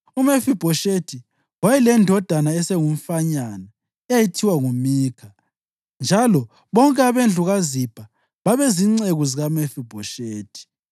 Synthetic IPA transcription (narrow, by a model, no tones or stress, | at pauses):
umefib̥ʱɔʃetʰi | wajɛlɛndʱɔd̥ʱanaɛsɛŋum̩faɲana | ɛjajitʰiwaŋumiːkʰa | nd͡ʒʱalɔ | βɔŋkʼɛaβend͡ɮʱuɣazib̥ʰʱʼa | βaβɛziŋ͡ǀeɣuziɣamefib̥ʱɔʃeːtʰʼi̥